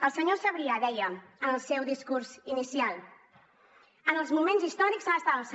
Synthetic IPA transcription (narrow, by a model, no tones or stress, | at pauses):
əlˠsəɲosəβɾiaðɛjəənəlˠsɛwðiskuɾzinisialˠ | ənəlˠzmumenzist̪ɔɾikzaəst̪at̪əlˠsə